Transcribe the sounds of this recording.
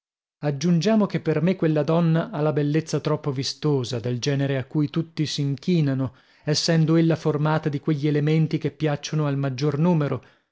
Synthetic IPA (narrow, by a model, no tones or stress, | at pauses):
ad͡ʒːund͡ʒaːmokepːermekːwelːad̪ɔnːaʔalːabelːet̪sːat̪ɾɔpːovist̪oːzad̪eld͡ʒɛːneɾeakːujt̪ut̪ːisiiŋkiːnano | ɛsːɛnd̪oelːaformaːt̪ad̪ikweʎːielement̪ikepːjat͡ʃːonoalmad͡ʒːornuːmeɾo